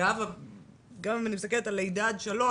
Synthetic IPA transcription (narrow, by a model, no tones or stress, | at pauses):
ava | ɡamimanist̪aket̪alejd̪ad̪ʃalo